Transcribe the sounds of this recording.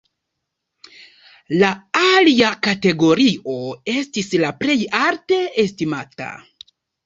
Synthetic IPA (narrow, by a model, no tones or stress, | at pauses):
laaliakate̞ɡo̞ɾiʔo̞e̞stislaple̞jaɾte̞estimata̰